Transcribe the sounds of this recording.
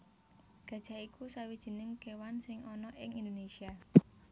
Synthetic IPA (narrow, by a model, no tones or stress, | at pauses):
ɡ̥ä̤d̥ʒ̥a̤ikusawid̥ʒ̥i̤nɪŋkewansɪŋʔɔnɔʔɪŋind̪onesia